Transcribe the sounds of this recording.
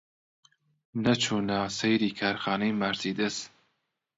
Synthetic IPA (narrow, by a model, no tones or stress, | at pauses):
nɐt͡ʃʰuːnasejɾiːkʰaːɾxɑːnejmaɾziːd̪ɨs